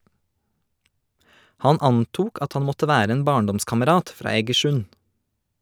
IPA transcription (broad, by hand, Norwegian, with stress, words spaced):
ˈhɑn ˈɑntuːk ˈɑt ˈhɑn ˈmɔtə ˈʋæːɾ ˈeːn ˈbɑːɳˌdɔmskɑməˌɾɑːt ˈfɾɑː eːɡəˈʃʉn